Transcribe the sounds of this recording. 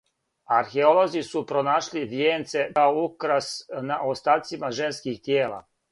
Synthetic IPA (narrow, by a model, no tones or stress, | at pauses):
aɾxeolo̞zisupɾonaːʃliʋjent̪se̞aoukɾasnaʔost̪aːt̪simaʒe̞nskixt̪jeːla̰